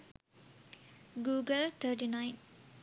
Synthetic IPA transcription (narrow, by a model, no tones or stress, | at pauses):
ɡuːɡəlt̪ʰəʈinajt